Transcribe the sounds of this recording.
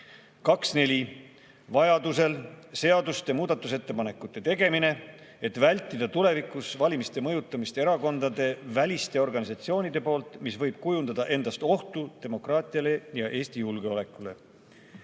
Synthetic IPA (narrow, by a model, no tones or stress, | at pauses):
kɑksne̞lʲi | vɑjɑd̪use̞lse̞ɑd̪ust̪emuːd̪̥ɑt̪ːˑuset̪ːe̞pɑne̞kːˑut̪ːˑe̞t̪e̞ɡe̞mine̞ | e̞t̪vælʲt̪ːˑid̪̥ɑt̪ule̞vikˑusvɑlʲimist̪e̞mɤ̞jut̪ːˑɑmist̪ee̞ɾɑko̞nd̪ɑd̪e̞vælʲist̪e̞o̞rɡɑnʲisɑt̪sio̞ːnid̪̥e̞po̞ːlt̪ˑmisvɤ̞jb̥̚kujund̪ɑd̪̥ɑʔe̞nd̪̥ɑst̪o̞ht̪ud̪̥e̞mo̞krɑːt̪ʲˑiɑle̞jɑʔe̞ːst̪ijulɡe̞o̞le̞kːˑule̞̰